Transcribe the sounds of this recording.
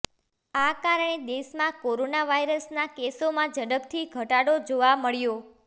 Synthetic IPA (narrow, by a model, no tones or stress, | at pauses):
akaɾəɳ̃ed̪eʃmãkoɾonaʋaiɾəsnakesomãd͡ʒəɽəb̚t̪ʰiɡʱəʈaɽod͡ʒoʋaməɭjo